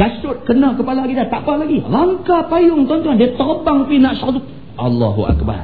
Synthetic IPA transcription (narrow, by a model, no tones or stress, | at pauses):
asʊt̪̚kənakəpalakit̪at̪aʔpalaɡilaŋkapajʊŋt̪ɔnt̪uandiat̪ərbaŋpinaʔsɔt̪uk̚ | ʔɑlːɑ̰ɦuʔa̰k̚ba̰r